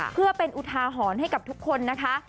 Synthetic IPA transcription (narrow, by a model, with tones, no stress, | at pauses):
pʰɯ˥˩ɐpe˧nʔu˨˩t̪ʰaː˧ɦɔː˩˦nɦa˥˩jka˨˩p̚t̪ʰu˦˥kʰːo˧nːa˦˥kʰa˦˥